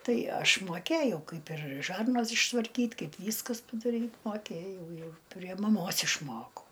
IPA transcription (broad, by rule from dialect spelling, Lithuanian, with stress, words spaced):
ˈtɐɪ ˈɐʃ moːˈkʲeːjɛʊ ˈkɐɪp ɪr ˈʒɐrnɐs ɪʃtʋɐrʲˈkʲiːtʲ ˈkɐɪp ˈʋʲiːskɐs pɐdɐˈrʲiːtʲ moːˈkʲeːjɛʊ ˈjɛʊ pʲrʲiɛ mɐˈmoːs ɪʃˈmoːkɐʊ